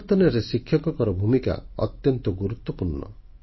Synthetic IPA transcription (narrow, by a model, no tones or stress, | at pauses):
t̪ɔnɔɾesikʰːjɔkɔkɔɾɔbʱumika̰ɔ̰t̪jɔnt̪ɔɡuɾut̪wɔpuɾɳɔ̰